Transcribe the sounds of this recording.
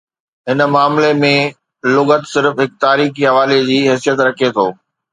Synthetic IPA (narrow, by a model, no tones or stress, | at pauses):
ɦɪnmaːmlemẽ | lʊɡət̪sɪɾfɦɪk̚t̪aːɾiːxiɦɐʋaːled͡ʑiːɦɛːs̬ijət̪ɾɐkʰet̪ʰoː